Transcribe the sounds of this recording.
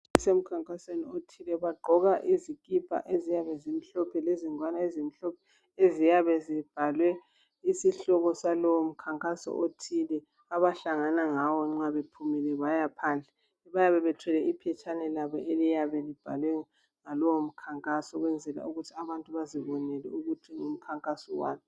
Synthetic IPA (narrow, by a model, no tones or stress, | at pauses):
sem̩kʰaŋkʼaseniotʰilɛβaɡ͡ǃʱɔɣaʔizikʼipʰʼa̰ʔezijaβɛzim̩ɬɔpʰɛleziŋwanaezim̩ɬɔpʰɛ | ezijaβɛzib̥ʱalwɛ | isiɬɔɣɔsalɔwom̩kʰaŋkʼasɔ̰ʔotʰilɛ | aβaɬaŋanaŋawɔŋ͡ǁaβepʰumilɛβajapʰaːnd͡ɮʱɛ | βajaβɛβɛtʰwɛlɛipʰɛt͡ʃʰʼanɛlaβɔʔelijaβɛlib̥ʱalwɛ | ŋalɔwom̩kʰaŋkʼasɔɣwɛnd͡zʱɛla̰uɣutʰiaβantʼuβaziβɔnɛlɛ̰uɣutʰiŋum̩kʰaŋkʼasɔwa̰ːmi